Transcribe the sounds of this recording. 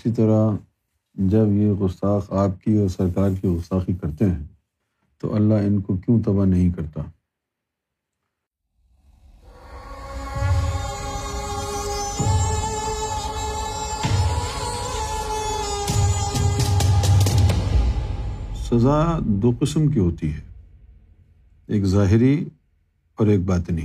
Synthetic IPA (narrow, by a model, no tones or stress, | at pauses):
sit̪ɐɾa | d͡ʒɐbjeɣʊst̪aːxaːp̚kiɔːɾsɐɾkaːɾkiɣʊst̪aːxikɐɾt̪eɦɛ̃ | t̪o̰ʔɐlːaɪnkokjũt̪ɐbanɐɦĩkɐɾt̪aː | sɐzad̪oːqɪsəmkiɦoːt̪iɦɛː | eːkzaːɦɪɾi | ɔːɾeːk̚baːt̪nɦĩ